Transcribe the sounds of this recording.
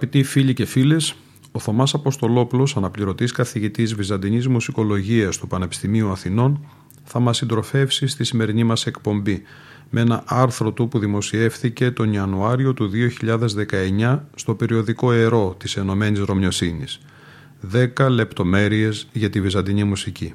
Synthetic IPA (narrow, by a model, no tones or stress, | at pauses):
ɐpit̪ifiʎice̞file̞s | o̞θo̞mɐsɐpo̞st̪o̞lo̞plo̞sɐnɐpliɾo̞t̪iskɐθiʝit̪izvizɐnd̪iɲizmusiko̞lo̞ʝiɐst̪upɐne̞pi̥st̪imiuɐθino̞n | θɐmɐsːind̪ɾo̞fe̞fsist̪isime̞ɾinimɐse̞kpo̞mbi | me̞nɐʔɐɾθɾo̞t̪upuðimo̞sie̞fθice̞t̪o̞niɐnuɐɾio̞t̪uðio̞çiʎɐðe̞zðe̞kɐe̞ɲɐst̪o̞pe̞ɾio̞ðiko̞e̞ɾo̞t̪ise̞no̞me̞nizɾo̞mɲo̞sinis | ðe̞kɐle̞pt̪o̞me̞ɾie̞zʝɐt̪ivizɐnd̪iɲimusici